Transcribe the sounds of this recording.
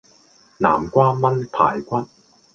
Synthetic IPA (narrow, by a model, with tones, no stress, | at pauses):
na̰ː˨˩mkʷaː˥mɐ˥npʰa̰ː˨˩jkʷɐ˥t̚